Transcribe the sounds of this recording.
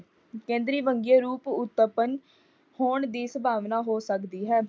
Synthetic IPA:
kẽːnd̪ɾiːʋəŋɡijaːɾuːpʊt̪ːəpən | hoːɳd̪iːsəbʱaːʋnaːɦoːsəkd̪iːɦɛː

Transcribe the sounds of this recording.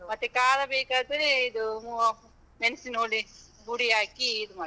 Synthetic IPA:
mɐt̪ːekaːd̪ɐbeːkat̪iɾiːd̪umuː | mensinoːli | buɽiaːkiːd̪umɐ

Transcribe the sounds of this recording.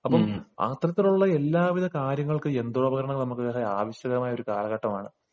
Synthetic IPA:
ɐpːɐma̰ːt̪rɐt̪ːiluɭːɐe̞lːaːʋiðɐkaːɾjɐŋːɐɭkɨe̞nd̪uɭɐbɐɣɐɾɐɳɐŋnɐmukːɨeaːʋɐɕjɐɣɐmaːjo̞ɾukaːlɐɣɐʈːɐmaːɳɨ

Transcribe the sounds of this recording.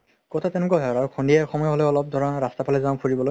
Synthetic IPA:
kɔtʰatɛ̃nukɔɦɛɹaɹukʰɔndiɛxɔmɔjɔɦɔlɛɔlɔp̚dʱɔɹɔnɹastapʰalɛzãpʰuɹibɔloj

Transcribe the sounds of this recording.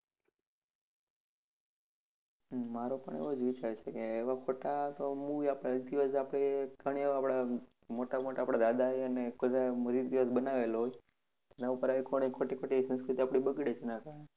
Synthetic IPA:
maɾopə̰ɳ̃ḛbod͡ʒʋit͡ʃaɾt͡ʃʰekeːʋakʰoʈat̪omuʋapad̪iʋəsapɽ̃eɡʱəɽ̃iapɽa | moʈamoʈaːpɽad̪ad̪aɦeənekəd̪aməɾid̪iʋəs̬bənaʋelɦoj | t̪enaupəɾaʋikoɽ̃ikʰoʈikʰoʈisə̃nskɾit̪iapɽ̃ibəɡɽet͡ʃʰenakae

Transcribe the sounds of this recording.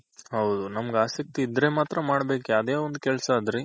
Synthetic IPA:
hɐwd̪unɐmɡaːsɐk̚t̪iːd̪ɾemaːt̪ɾɐmaːɽbe̞ːkeɐd̪eːond̪ukɛlsɐːd̪ɾi

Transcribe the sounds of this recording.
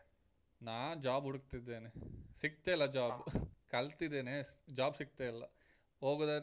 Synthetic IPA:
naːd͡ʒaːbɦuɽuk̚t̪id̪ːeːnesik̚t̪eilːɐd͡ʒaːbkɐlt̪id̪ːeːned͡ʒaːbsik̚t̪eilːɐ | ɦoːɡd̪a

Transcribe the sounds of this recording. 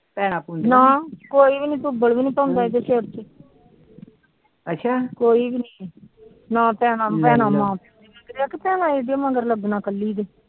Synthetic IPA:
pɛːnãːpundnãːkoːiːbiːnĩːt̪ʊbəlbiːnĩːpãːnd̪aːeɡ̪eʃeːəɾt͡ʃe | ətːʃʰaːkoːiːbiniː | nãːpɛ̃ːnãːpɛ̃ːnãːmãːpɛd̪eːmeːkɾaːkɪpɛ̃ːnãːeːd̪amãɡəɾləɡnãːkəlːiːd̪eː

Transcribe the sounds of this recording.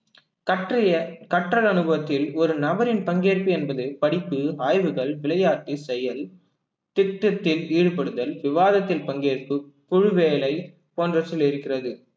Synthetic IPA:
kɐʈrɪjɐkɐʈrɐlɐnɯbɐʋɐt̪ːɪlɔɾɯnɐbɐɾɪnpɐŋɡeːrpɯɛnbɐðɯpɐɽɪpːɯaːjʋɯɣɐɭʋɪlɐjaːʈːisɛjɐl | t̪ɪt̪ːɐt̪ːɪliːɻɯpɐɽɯðɐlʋɪʋaːðɐt̪ːɪlpɐŋɡeːɾpɯ | pʊɻɯʋeːlɐɪ | poːndrɐɐlɪɾɯkːɪrɐðɯ

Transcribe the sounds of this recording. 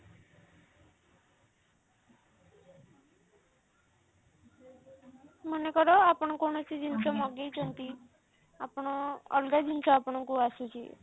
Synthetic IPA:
mɔnekɔɾɔapɔɽ̃ɔkoɽ̃ɔt͡ʃid͡ʒint͡ʃɔmɔɡejt͡ʃʰɔnt̪i | apɔɽ̃ɔɔ̰lɡad͡ʒint͡ʃʰɔapɔɽ̃ɔŋkuasut͡ʃʰḭ

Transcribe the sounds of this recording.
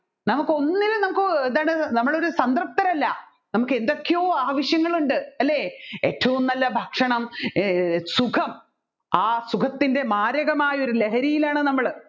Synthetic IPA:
nɐmukːo̞nːilnɐmukːɨend̪aːɳɨnɐmːɐɭo̞ɾusɐnd̪ɐrp̚t̪ɐɾɐlːɐ | nɐmukːe̞nd̪o̞kːejo̞ːaːʋɐɕjɐŋːɐɭuɳɖɨɐlːe̞ːḛːtːɐʋumnɐlːɐbʱɐkʂɐɳɐm | sukʰɐm | aːsukʰɐt̪ːinde̞maːɾɐɣɐmaːjio̞ɾuleɦɐɾijilaːɳɨnɐmːɐɭ

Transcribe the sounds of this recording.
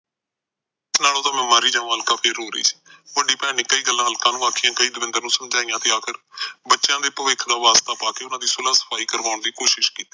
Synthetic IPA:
ɪsnaːloːt̪ãːmɛ̃ːmaːɾiːd͡ʒãːaɦəlkãːpʰɪɾɦoːɾəiːsi̥ːʋəɖiːpɛːɽ̃iːkəiːɡəlːãːɦəlkãːnũːaːkʰijãːkəiːd̪ʊʋɪ̃nd̪əɾnũːsəmd͡ʒaːijãːt̪eːaːkʰəɾbətːʃjãːd̪eːpəʋɪkʰd̪aːʋaːst̪aːpaːkeːʊnãːd̪iːsʊlaːsə̥pʰaːiːkəɾʋaːʊɳd̪iːkoːʃɪʃkiːt̪iː

